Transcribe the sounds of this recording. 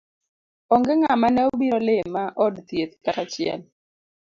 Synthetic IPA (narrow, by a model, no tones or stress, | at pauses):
ɔŋɡɛŋamanɛobiɾɔlɪmːaʔɔdt̪jet̪kaɾat͡ʃɪɛ̰l